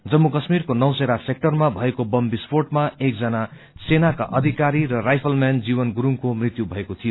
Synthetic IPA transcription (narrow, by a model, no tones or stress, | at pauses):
d͡zʌmːukʌsmirkonʌwseɾasek̚ʈʌrmabʱʌekobʌmbisporʈmaek̚d͡zʌna | senakaʔʌd̪ʱikaɾiɾʌrajpʰʌlmand͡ziβʌnɡuɾuŋkomrit̪jubʱʌekot̪ʰijo